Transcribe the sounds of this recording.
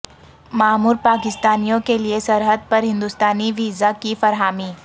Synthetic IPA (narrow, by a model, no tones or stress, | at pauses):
maːmuːɾpaːkɪst̪aːnijõkeliesɐɾɦəd̪̚pɐɾɦɪ̃nd̪ʊst̪aːniʋiːzakifɐɾɦaːmiː